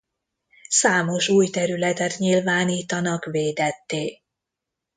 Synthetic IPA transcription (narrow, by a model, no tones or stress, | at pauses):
saːmo̞ʃuːjt̪ɛɾylɛt̪ɛt̪ɲilvaːniːt̪ɒnɒkʋeːd̪ɛt̪ːeː